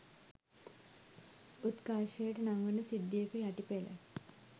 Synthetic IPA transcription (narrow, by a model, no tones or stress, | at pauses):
ut̪kaːʃəjəʈənaŋʋənəsid̪ːijəkəjaʈipelə̰